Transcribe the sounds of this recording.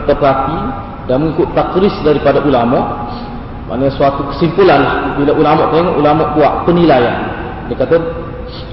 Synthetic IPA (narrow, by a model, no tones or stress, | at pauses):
at̪apəɾat̪i | danməŋikʊt̪ːakɾɪsdaɾipadaʔulamɔʔ | mʔa̰ʔnasuat̪ukə̥simpulanlahbilaʔulamɔʔt̪eŋɔʔulamɔʔbuaʔpənilajan | diakat̪a